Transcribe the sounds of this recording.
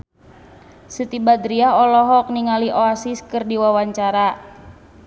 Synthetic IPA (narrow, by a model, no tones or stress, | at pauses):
sɨt̪ibad̪ɾiaɔlɔɦɔk̚niŋaliʔoasiskɨrdiwawaɲt͡ʃaɾa